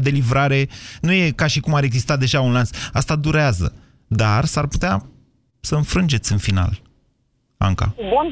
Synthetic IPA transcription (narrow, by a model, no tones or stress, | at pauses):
d̪e̞livɾaɾe̞nuje̞kaʃikumaɾe̞ɡzist̪at̪̚d̪e̞ʒaunlansast̪ad̪uɾeazə̰ | d̪arsarput̪ea | səɨnfɾɨnd͡ʒe̞t̪sʲɨnfina̰l | a̰ŋka̰bun